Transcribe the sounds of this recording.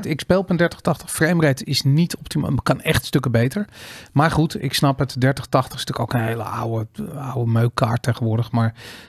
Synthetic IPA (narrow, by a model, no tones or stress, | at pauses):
tɪkspejlˠɔpəndɛɹtəχtɑχtə̥χfrejmrɛjtɪsnitʰɔp̚tima̰kɑnɛχtstɵkəbejtəɹmaːɹχutɪ̰ksnɑpətdɛɹtəχtɑχtəχstɵkowkənɦejlə̰ʔa̰wəawəmøɥkaːɹt̚ejχənʋʊːɹdəχmaːɹ